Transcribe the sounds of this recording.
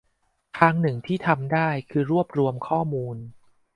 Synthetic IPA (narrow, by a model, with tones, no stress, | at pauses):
kʰɾaː˦˥ŋnɯ˨˩ŋt̪ʰiː˥˩t̪ʰa˧mdaː˥˩jkʰɯː˧ɾu˥˩əp̚ɾu˧əmkʰɔː˥˩muː˧n